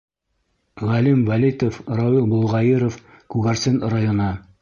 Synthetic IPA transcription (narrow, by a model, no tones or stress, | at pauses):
ʁɑlimvælʲijt̪ofrɑwilˠbŏlˠʁɑjiɾof | kuɣæɾsɘnrajonɤ